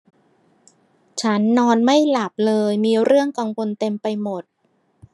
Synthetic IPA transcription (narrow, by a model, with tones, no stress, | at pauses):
t͡ɕʰa˦˥nːɔː˧nma˥˩jla˨˩p̚lɤː˧jmiː˧ɾɯ˥˩əŋka˧ŋwo˧nt̪e˧mpa˧jmo˨˩t̪̚